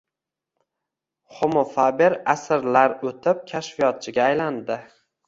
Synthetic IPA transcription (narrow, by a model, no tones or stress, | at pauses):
χomofabeɾasɪɾlaɾɵt̪ʰɪp̚kʲʰaʃfijɒt̪̚t͡ʃʰɪɡʲaːjland̪ɪ